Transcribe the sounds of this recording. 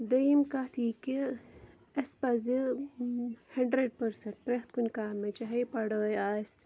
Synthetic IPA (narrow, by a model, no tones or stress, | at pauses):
d̪ɐimkat̪ʰike | ɐspɐzi | hɐɳɖɾeɖ̚pɐɾsɐɳʈ̚pɾext̪̚kunkaːmɐt͡ʃɐɦɐjpɐɽəːjaːs